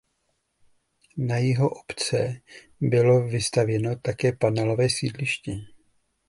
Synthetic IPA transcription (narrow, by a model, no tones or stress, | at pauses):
najɪɦo̞ʔopt͡sɛ | bɪlo̞vɪst̪avjɛno̞t̪akɛːpanɛlo̞vɛːsiːdlɪʃcɪ